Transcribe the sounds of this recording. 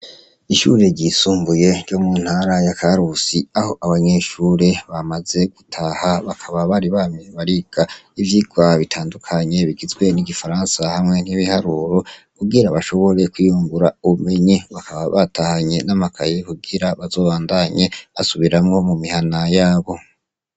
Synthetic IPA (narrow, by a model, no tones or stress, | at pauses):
iʃṵɾe̞ɟisuːmbuje̞ɾɟomuːn̥haɾajakaɾusiaho̞ʔaβaɲe̞ʃuɾe̞βamaze̞ɡ̥utʰahaβakʰaβaβaɾiβameβaɾiɡ̥aivjiɡwaβitʰaːndukʰaɲe̞βiɡizɡwe̞niɡifaɾansahamŋe̞n̥hiβihaɾuːɾo̞ | kuɡiɾaβaʃo̞βo̞ɾe̞kwijuːmbuɾauβume̞ɲiβakʰaβaβatahaɲe̞namakʰajekuɡiɾaβazo̞ːβaːndaɲe̞βasuβiɾamŋo̞mumihanajaːβo̞